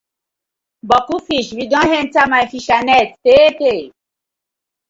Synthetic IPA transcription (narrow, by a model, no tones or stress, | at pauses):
bɔkufiʃwidɔ̃ɦɛ̃nt͡samajfiʃanɛt̚tete